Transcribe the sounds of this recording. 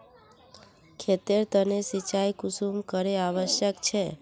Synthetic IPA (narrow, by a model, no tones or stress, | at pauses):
kʰet̪eɾt̪ənesit͡ʃajkusumkəɾeaʋəʃjəkt͡ʃʰe